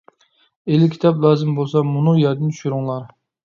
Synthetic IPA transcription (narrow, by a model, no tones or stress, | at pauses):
elɪkʲʰi̥t̪ʰɑplˠɑːzɪmbolˠsɑmunʊjɑɾd̪ɨnt͡ʃ̪ʰy̥ʃyɾuŋlˠɑɾ